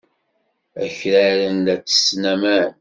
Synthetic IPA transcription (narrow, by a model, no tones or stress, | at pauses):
æçɾæɾənd̪æt͡sːə̥snæmæn